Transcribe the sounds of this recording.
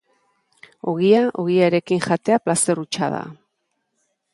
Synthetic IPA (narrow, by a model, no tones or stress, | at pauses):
o̞ɣiaʔo̞ɣiaeɾe̞kiŋʝat̪e̞aplase̞rut͡ʃað̞a̰